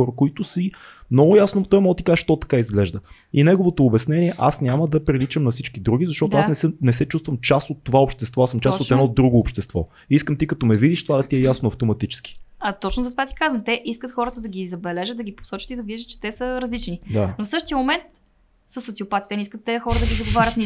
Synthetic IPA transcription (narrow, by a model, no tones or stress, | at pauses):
ɔɾəkoit̪ʊsimnɔɡʊjasnot̪ɔjmɔt̪ikazʃt̪ɔt̪ɐ̥kaizɡlɛʒd̪ə | inɛɡovot̪oːbɛsnɛniɛʔasnʲaməd̪ɐpɾilit͡ʃəmnɐfsit͡ʃkid̪ɾuɡ̟izɐʃt̪ɔt̪ʊasnɛɛnɛsɛt͡ʃust̪vəmt͡ʃast̪ot̪ːovaopʃt̪ɛst̪vɔasəmt͡ʃasot̪ɛd̪ɔd̪ːɾuɡoːpʃt̪ɛst̪vɔ̰ | iskəmt̪ikɐt̪ɔmɛvid̪iʃt̪ovad̪ɐt̪iɛjasnoɐft̪omɐt̪it͡ʃɛ̥ski̥ɐt̪ɔt͡ʃnʊzɐt̪ovat̪i̥kazvəmt̪ɛʔiskət̪xɔɾət̪əd̪ɐɡʲizɐbɛlɛʒət̪̚d̪ɐɡʲipo̥sɔt͡ʃət̪id̪ɐviʒət̪t͡ʃɛ̥t̪ɛsəɾɐzlit͡ʃnid̪anofsɤʃt̪iəmomɛnt̪ | səsot̪siopat̪i̥t̪ɛniskət̪ːɛxɔɾəd̪ɐɡʲid̪oɡovaɾʲət̪ni